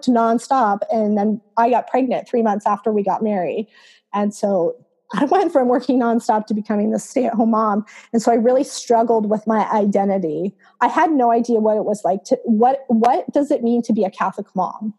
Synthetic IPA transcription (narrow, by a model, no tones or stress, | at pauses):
knɑ̃nstɑpɨ̃nðɨ̃naɪɡɑt̚pʰɹ̥ɛɡ̚nɨ̃nθɹimʌ̃nθsæftə˞wiɡɑ̰t̚mɛɹi | ɨ̃nsoʊ | ʔaɪwɛ̃ntfɹʌ̃mwɜ˞kɪ̃ŋnɑ̃nstɑp̚tʰɨbɨkʰʌmɪ̃ŋðɨsteɪt̚hõʊ̃mɑ̃mɨ̃nsoʊaɪɹɪlˠistɹ̥ʌɡl̩ˠd̚wɪðmaɪʔaɪdɛ̃ɾ̃ɨɾi | ʔaɪɨdⁿnoʊaɪdiɨwʌɾɨt̚wʌz̥laɪk̚tʰɨwʌɾ̚wʌt̚d̥ʌzɨt̚mĩntʰɨbiɨkʰæθləkmɑ̰̃m